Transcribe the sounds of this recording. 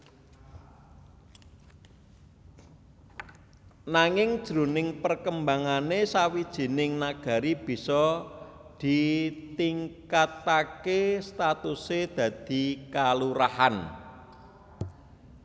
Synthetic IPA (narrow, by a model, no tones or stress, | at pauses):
naŋɪŋd̥ʒ̥ɾṳnɪŋpərkəmbaŋanesawid̥ʒ̥i̤nɪŋnaɡ̥a̤ɾib̥i̤sɔ | d̪̥i̤t̪iŋkat̪akest̪at̪used̪̥ä̤d̪̥i̤kaluɾahan